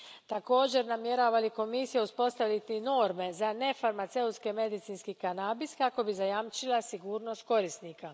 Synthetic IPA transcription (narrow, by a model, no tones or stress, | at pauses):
t̪ako̞ːd͡ʑe̞ɾnamje̞ɾaːʋaliko̞misijeuspo̞st̪aʋlit̪ino̞ːɾme̞zane̞faɾmat̪se̞ut̪skeme̞d̪it̪siːnskikanabiskako̞bizajamt͡ʃilˠasiɡuːɾno̞st̪̚ko̞ɾist̪niːka